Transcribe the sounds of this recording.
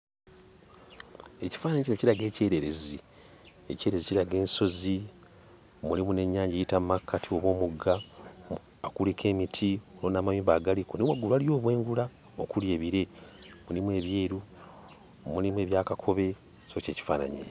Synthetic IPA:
e̞ci̥faːnaɲecinociɾaɡe̞ːceːɾe̞ɾe̞zi | ece̞ːɾeziciɾaɡe̞ːnso̞zi | mulimune̞ɲːaːɲɟejitammakːatʰio̞βwo̞ːmuɡa | akulikʰe̞ːmitʰiolonaːmawimbaɡalikonewaɡulwaljo̞ːβweːŋɡula | okulje̞ːβiɾe̞ | mulimwe̞ːβjeːɾu | mulimwe̞ːβjaːkakʰo̞βe̞ | so̞ce̞ːci̥faːna̰ɲḛ

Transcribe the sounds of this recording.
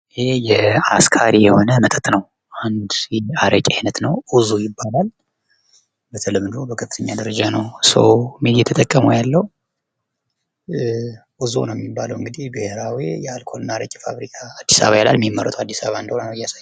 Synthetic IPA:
ʔɨhejɛaskʰaɾijɛho̞nəmət̪ʼət̪ʼnəw | ʔand̪ɛaɾʔəkʼiajnət̪nəwuzujɪbːalal | bət̪ʰəlɨmd̪ubəkʰəfɨt̪ʰəɲːad̪əɾəd͡ʒanəwsə̰wmːijɛt̪ʰət̪ʼəkʼːəməwjalːəw | buzṵnəwjɛmːibːaləwɨŋɡɨd̪ihbiheɾawijɛalkʰo̞lɨnːaaɾəkʼifa̰βɾikʰaːd̪ːisa̰βajɛla̰lmimːərət̪ʰwad̪ːisaβaɨnd̪əhonənəwɨjːasajː

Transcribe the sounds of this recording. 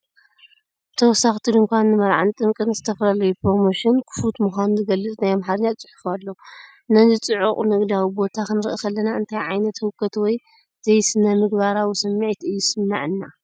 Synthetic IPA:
t̪ʰɐwɔsːaxt̪ʰid̪ɨŋkʷanːɨmɐɾʕant̪ʼɨmkʼɨnzɨt̪ʰɐfɐlalɐjupʰɾo̞mo̞ʃinkʰɨ̥fut̪muxʷanuzɨɡɐlːɨt͡sʼnajamħaɾɨɲːat͡sʼɨħu̥falːo | nɐzit͡sʼɨʕuχʼnɨɡd̪awibo̞t̪ʰakɨnɨɾɨʔikʰɐlːɐnaɨnt̪ʰajʕajnɐt̪hɨkʰːɐt̪wɔj | z̥ɐjsɨnɐmɨɡbaɾawisɐmːiʕt̪ɨjːusɨmna̰ʕɨnːa

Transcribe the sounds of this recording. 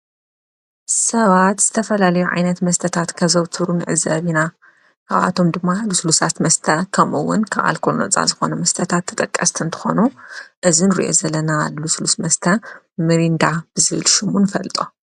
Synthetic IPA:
sɐβat̪z̥ɨt̪ʰɐfɐlalɐjuʕa̰jnɐt̪mɐst̪ʰɐt̪ʰat̪kʰɐβzɐwt̪ʰɨɾunɨʕɨ̰zɐβina | kʰa̰βa̰t̪ʰo̞md̪ɨmːaluslusat̪mɐst̪ʰɐkʰɐmʔɨwːʊ̰nkʰaβa̰lkʰolunɐ̰t͡sʼa̰zɨxo̞̰nɐmɐst̪ʰɐt̪ʰat̪ʰːɐ̥t̪ʼɐkʼːɐst̪ʰɨnt̪ʰɨ̥xo̞̰nuʔɨzinɨɾḭʔo̞̰zɐlːɐnaluslusmɐst̪ʰɐ | mɨɾind̪ab̥ɨzɨβɨlʃɪmunɨfɐlt̪ʼo̞

